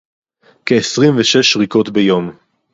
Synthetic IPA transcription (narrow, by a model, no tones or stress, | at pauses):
keːsʁimveʃeʃʁiko̞t̪bejo̞m